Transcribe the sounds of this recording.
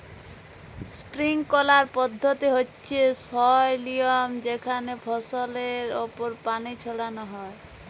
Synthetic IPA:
spɾiŋkɔlaɾpɔd̪ʱːɔt̪iɦotːʃʰesɔjlijɔmd͡ʒekʰanepʰɔsɔleɾopɔɾpanit͡ʃʰɔɽanɔɦɔe

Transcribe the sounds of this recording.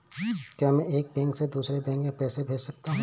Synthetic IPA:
kjaːmɛ̃eːk̚bɛ̃ːŋksed̪uːsɾebɛ̃ːŋkmẽpɛːsebʱeːd͡ʒsɐk̚t̪aɦɛ̃

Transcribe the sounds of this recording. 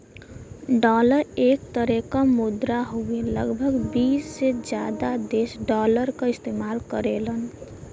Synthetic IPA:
ɖɔləɾek̚t̪əɾekamud̪ɾaɦueləɡbʱəɡbisːed͡ʒjad̪ad̪esɖɔləɾkəist̪emalkəɾelən

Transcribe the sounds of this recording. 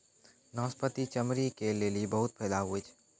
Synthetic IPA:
nɔ̃ːspət̪it͡ʃəmɾikeleːlibəɦʊt̪̚pʰɛːd̪aɦuet͡ʃʰː

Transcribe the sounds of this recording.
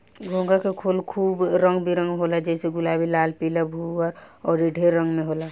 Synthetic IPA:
ɡʱõːŋɡakekʰolkʰuːbɾə̃ŋɡbʱiɾə̃ŋɡɦolad͡ʒɛseɡʊlaːbʱilaːlpilabʱuəɾ | ɔːɾeɖʱeɾːə̃ŋɡmẽɦoːla

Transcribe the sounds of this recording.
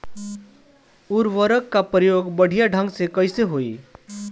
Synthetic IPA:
uɾʋəɾəkːapɾəjoɡbəɽ̤ʱijaɖʱə̃ŋɡsekəɪseɦoi

